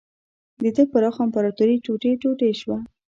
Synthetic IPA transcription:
d̪əd̪əpəɾɑxampaɾat̪uɾiʈoʈeʈoʈeʃwa

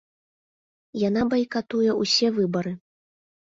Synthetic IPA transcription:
janabɐjkat̪ujɛusʲɛvɨbɐɾɨ

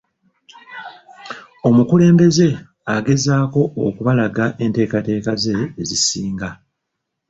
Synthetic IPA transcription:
o̞mukule̞ːmbe̞ze̞ | aɡe̞zaːko̞o̰kuβalaɡaʔe̞nte̞ːkate̞ːkaze̞ːzisiːŋɡa

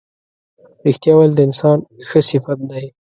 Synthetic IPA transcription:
ɾɪxt̪jɑwald̪əɪnsɑnxəsɪfat̪̚laj

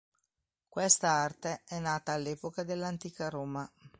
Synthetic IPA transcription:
kwest̪aart̪eɛnːaːt̪aːlːeːpokad̪elːant̪iːkaɾoːma

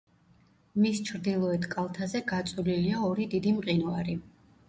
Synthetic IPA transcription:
mist͡ʃʰɾd̪ilˠɔɛt̪ʰkʼalˠt̪ʰazɛɡat̪sʼuliliaɔɾid̪id̪imqʼinɔaɾi

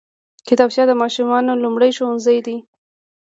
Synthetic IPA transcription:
kɪt̪ɑbt͡ʃjɑd̪əmɑʃumɑnolumɽəjʃowʊnzəjd̪i

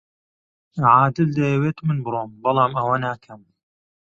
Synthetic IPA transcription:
ʕaːd̪ɨld̪ɐjɐweːt̪mɨnbɨɾoːmbɐlˠaːmɐwɐnaːkʰɐm

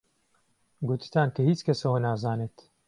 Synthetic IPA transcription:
ɡut̪i̥t̪aːnkɐhiːt͡ʃkʰɛsɐwɐnaːzaːneːt̪

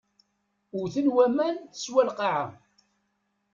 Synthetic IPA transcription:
ʊɾθənwæmænθə̥swælqɑʕa

